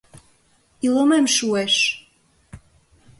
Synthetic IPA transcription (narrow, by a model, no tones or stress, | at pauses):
ilomemʃueʃ